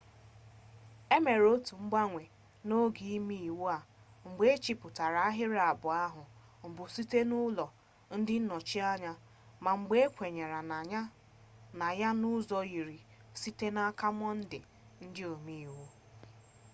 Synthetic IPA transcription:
e˦me˨ɾo˦tu˨ŋ͡m̩˦ɡ͡ba˦ŋʷe˨ | no˦ɡi˨i˦mi˦i˨wo˦a˨ŋ͡m̩˨ɡ͡be˦e˦t͡ʃi˨pʊ˨ta˨ɾa˨a˦ɦɪ˦ɾa˨bʊ˨a˦ɦʊ˨ | ŋ͡m̩˨bʊ˨si˦te˦nʊ˦lɔ˨ | n̩˦dɪ˦n̩˦nɔ˨t͡ʃi˦a˦ɲa˦ | ma˨ŋ͡m̩˨ɡ͡be˦kʷe˨ɲe˨ɾa˨na˨ɲa˦ | na˨ja˦nʊ˦zɔ˦ɣi˨ɾi˨ | si˦te˦na˦ka˦m˦ɔ˦n̩˦dɪ˨ | n̩˦dɪ˦o˨mi˦i˨wo˦

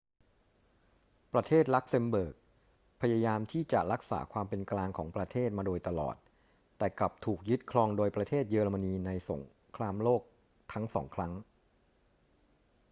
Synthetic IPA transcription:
pɾa˧t̪ʰeː˥˩t̪̚la˦˥k̚se˧mbɤː˨˩k̚ | pʰa˧jaː˧jaː˧mt̪ʰiː˥˩t͡ɕa̰˨˩ʔɾa˦˥k̚sa̰ː˩˦kʰwaː˧mpe˧nklaː˧ŋkʰɔː˩˦ŋpɾa˧t̪ʰeː˥˩t̪̚maː˧doː˧jt̪a˧lɔ̰ː˨˩t̪̚ː | ɛː˨˩kla˨˩p̚t̪ʰuː˨˩k̚jɯ˦˥t̪̚kʰlɔː˧ŋdoː˧jpɾa˧t̪ʰeː˥˩t̪̚jɤː˧ɾa˧ma˧niː˧na˧jso̰˩˦ŋ | kʰlaː˧mloː˥˩k̚ | t̪ʰa˦˥ŋsɔː˩˦ŋkʰɾa˦˥ŋ

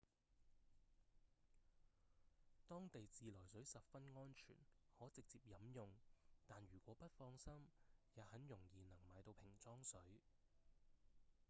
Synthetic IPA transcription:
t̪ɔː˥ŋt̪e˨jt͡siː˨lɔː˨˩jsɵ˨˥ɥsɐ˨p̚fɐ˥nŋɔː˥nt͡ʃʰy̰ː˨˩nhɔː˨˥t͡sɪ˨k̚t͡siː˧p̚jɐ˨˥mjʊ˨ŋt̪aː˨nɥyː˨˩kʷɔː˨˥pɐ˥t̚fɔː˧ŋsɐ˥mjɐː˨˧hɐ˨˥njʊ˨˩ŋjiː˨nɐ˨˩ŋmaː˨˧jt̪o˧wpʰɪ˨˩ŋt͡sɔː˥ŋsɵ˨˥ɥ

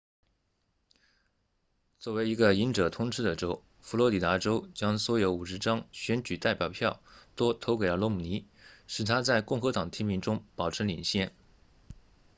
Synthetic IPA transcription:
t͡swɔ˥˩we˧˥ɪi˧˥ɡə˧i˧˥nʈ͡ʂɤ˨˩t̪ʰʊ˥ŋʈ͡ʂʰɻ̩˥d̪ə˨ʈ͡ʂo˥ʊ | fu˧˥lwɔ˧˥li˨˩t̪a˧˥ʈ͡ʂo˥ʊt͡ɕjɑ˥ŋswɔ˧˥jo˧˥ʊu˨˩ʂ̬ɻ̩˧˥ʈ͡ʂɑ˥ŋɕɥɛ˧˥nt͡ɕy˨˩t̪a˥˩ɪpjɑ˨˩ʊpʰjɑ˥˩ʊt̪wɔ˥t̪ʰo˧˥ʊke˨˩ɪlə˧lwɔ˧˥mu˨˩ni˧˥ | ʂɻ̩˨˩t̪ʰa˥t͡sa˥˧ɪkʊ˥˩ŋxɤ˧˥t̪ɑ˨˩ŋət̪ʰi˥mi˧˥ŋʈ͡ʂʊ˥ŋpɑ˨˩ʊʈ͡ʂ̩ʰ˧˥lḭ˨˩ŋɕjɛ˥˩n

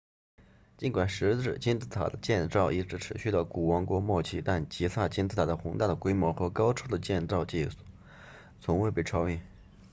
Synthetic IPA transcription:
t͡ɕi˧˥nkwa˨˩nʂɻ̩˧˥ʈ͡ʂɻ̩˥˩t͡ɕi˥nt͡sɹ̩˥˩t̪ʰa̰˨˩d̪ə˦t͡ɕjɛ˥˧nt͡sɑ˥˩ʊʔi˥˩ʈ͡ʂɻ̩˧˥ʈ͡ʂʰɻ̩˧˥ɕy˥˩lə˧˩ku˨˩wɑ˧˥ŋkwɔ˥mwɔ˥˧t͡ɕʰi˥˩t̪a˥˩nt͡ɕi˧˥sa˥˩t͡ɕi˥nt͡sɹ̩˥˩t̪ʰa˨˩d̪ə˦xʊ˧˥ŋt̪a˥˩d̪ə˩kwe˥ɪmwɔ˧˥xɤ˧˥kɑ˥ʊʈ͡ʂʰɤ˥d̪ə˨t͡ɕjɛ˥˧nt͡sɑ˥˧ʊt͡ɕi˥˩˨ | t͡sʰʊ˧˥ŋwe˥˧ɪpe˥˩ɪʈ͡ʂʰɑ˥ʊi˥˩n

